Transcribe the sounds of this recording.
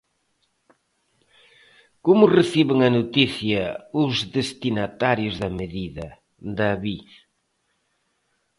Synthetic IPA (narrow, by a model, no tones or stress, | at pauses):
komʊreθiβɪŋɐnot̪iθjɐʊzðest̪inat̪aɾjʊzðɐmeðiðɐ | d̪aβi